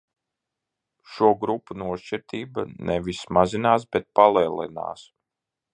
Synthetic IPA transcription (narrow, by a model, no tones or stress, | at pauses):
ʃuɔɡɾupːunuɔʃt͡ʃiɾt̪iːbanɛvismazinaːs̬bet̪̚palˠɛːlˠḭna̰ːs